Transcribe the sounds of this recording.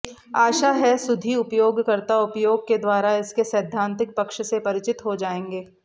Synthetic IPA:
aːʃaɦɛsʊd̪ʱiʊpjoːɡkɐɾt̪aʊpjoːɡ̚ked̪waːɾaɪskesɐːd̪ʱːãːnt̪ɪk̚pɐkʃsepɐɾɪt͡ʃɪt̪ɦod͡ʒaːẽːŋɡeː

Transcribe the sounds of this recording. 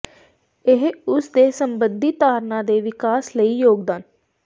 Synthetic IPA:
ɪɦʊsd̪eːsəmbənd̪ʱiːt̪aːɾnãːd̪eːʋɪkaːsləiːjoːɡd̪aːn

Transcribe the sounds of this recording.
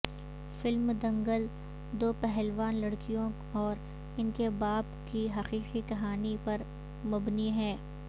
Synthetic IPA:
fɪlmd̪ɐ̃ŋɡəl | d̪oːpɛɦɛlʋaːnlɐɽkijõ | ɔːɾ | ɪnkebaːbkiɦɐqiːqikɐɦaːnipɐɾ | mʊbniɦɛ̃ː

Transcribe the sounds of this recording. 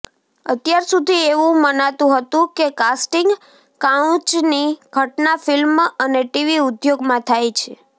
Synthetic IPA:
ət̪jaɾsud̪ʱieʋũmənat̪ũɦət̪ũkekasʈiŋɡ | kat͡ʃniɡʱəʈnafilməneʈiʋiʊd̪joɡmãt̪ʰajt͡ʃʰḛ

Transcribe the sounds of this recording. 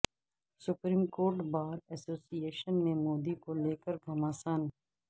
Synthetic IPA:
sʊpɾiːmkoːɾʈbaːɾɛsoːsieːʃənmẽmoːd̪ikoleːkəɾɡʱɐmaːsən

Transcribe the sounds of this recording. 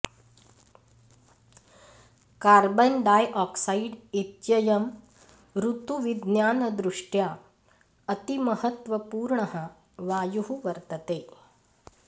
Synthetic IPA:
kaɾbənɖajʔɔksaiɖit̪jəjɐm | ɾut̪uʋid̪njaːnəd̪ɾuʂʈja | ət̪iməhət̪ʋəpuːɾɳəɦə | ʋajuɦuʋəɾt̪ət̪e

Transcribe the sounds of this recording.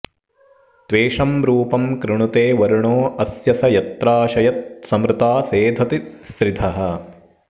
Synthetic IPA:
t̪ʋeːʂɐmɾuːpɐmkɾɪɳut̪eːʋɐɾuɳoːɐsjɐsɐjɐt̪ɾaːʃɐjɐt̪̚sɐmɾɪt̪aːseːd̪ʱɐt̪isɾid̪ʱɐɦɐ̆

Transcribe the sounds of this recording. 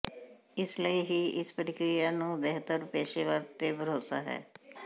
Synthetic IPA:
ɪsləiːɦiːʔɪspəɾɪkɾɪjaːnũːbɛɦt̪əɾpeːʃeʋəɾt̪eːbəɾoːsaːɦɛ̰ː

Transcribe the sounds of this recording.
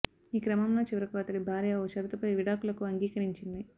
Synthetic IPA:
iːkɾɐmɐmlo̞ːt͡ʃiʋɐɾɐkoːɐt̪ɐɽibʱaːɾijɐoːt͡ʃɐɾut̪upɐjʋiɽaːkulɐkuɐŋɡiːkɐɾiɲt͡ʃind̪i

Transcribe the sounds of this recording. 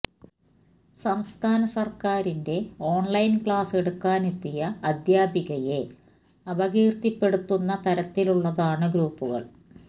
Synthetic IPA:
sɐmst̪ʰaːnɐsɐrkaːɾinde̞o̞ːɳlɐjnkɭaːse̞ɽukːaːnet̪ːijɐːd̪jaːbiɣɐje̞ | ɐbɐɣiːrt̪ipːe̞ɽut̪ːunːɐt̪ɐɾɐt̪ːiluɭːɐðaːɳɨɡɾuːpːuɣɐ̰ɭ

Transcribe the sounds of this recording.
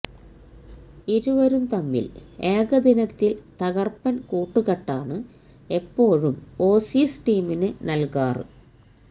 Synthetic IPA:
iɾuʋɐɾumt̪ɐmːḭle̞ːɡɐd̪inɐt̪ːilt̪ɐɣɐrpːɐnkuːʈːuɣɐʈːaːɳɨ | e̞pːo̞ːɻumo̞ːsiːsʈiːminɨnɐlkaːrɨ̰

